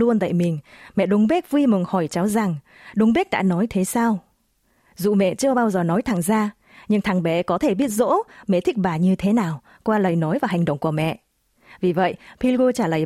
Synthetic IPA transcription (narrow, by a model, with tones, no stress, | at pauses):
lu˧ənt̪a̰ː˧˨jmï˨˩ŋ̟mɛ̰˧˨ɗʊ˨˦ŋ͡mɓe˦˥k̚vi˧mɨ˨˩ŋhɔ˧˩jt͡ɕa˨˦wza˨˩ŋ | ɗʊ˨˦wŋ͡mɓe˦˥k̚ɗa̰ː˧˥nɔ˨˦jt̪ʰe˨˦saː˧w | zṵ˧˨mɛ̰˧˨t͡ɕɨ˧əɓaː˧wzəː˨˩nɔ˨˦jt̪ʰa˨˩ŋzaː˧ | ɲɨ˧ŋt̪ʰa˨˧˩ŋɓɛ˨˩kɔ˨˦t̪ʰe˧˩ɓi˦˥ət̚zo̰˧˥mɛ̰˨˧˨t̪ʰï˦˥k̚ɓaː˨˩ɲɨ˧t̪ʰe˨˦naː˨˩w | kwaː˧lə˨˩jnɔ˨˦jvaː˨˩ɦa˨˩jŋ̟ɗə̰˧˨wŋ͡mku˧˩mɛ̰˧˨ʔ | vi˨˩və̰˧˨jpʰi˧lɣo˧t͡ɕaː˧˩ləː˨˩j